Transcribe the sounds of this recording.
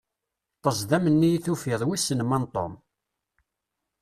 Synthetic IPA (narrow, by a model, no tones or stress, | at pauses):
t̪ˤəzˤðæmənːijiθufɪðˤwisːənmænt̪ˤo̰m